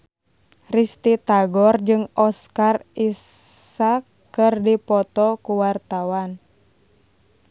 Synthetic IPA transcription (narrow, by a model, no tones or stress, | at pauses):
rist̪it̪aɡɔrd͡ʒɨŋɔskarissakːɨrdipɔt̪ɔkuwart̪awan